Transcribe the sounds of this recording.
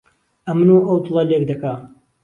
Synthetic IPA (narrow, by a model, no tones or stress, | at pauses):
ʔɐmɨnuːʔɐwt̪ɨlˠɐlek̚d̪ɐka